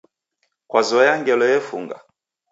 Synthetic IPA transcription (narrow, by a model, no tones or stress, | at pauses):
kwazɔjaŋɡɛlɔjɛfṵŋɡa̰